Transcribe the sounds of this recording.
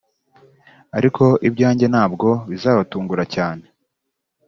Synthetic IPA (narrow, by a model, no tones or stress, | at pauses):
aɾikʰo̞ibɟaːɲɟenaːbɡo̞βizaːβatuːŋɡuɾacaːne̞